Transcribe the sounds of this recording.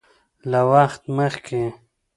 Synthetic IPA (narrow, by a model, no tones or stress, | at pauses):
lawaχt̪məχkʰe